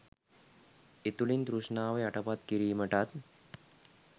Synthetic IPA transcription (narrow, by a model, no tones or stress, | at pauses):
et̪ulind̪ɾuʂnaːʋeaʈəpat̪kiɾiːməʈat̪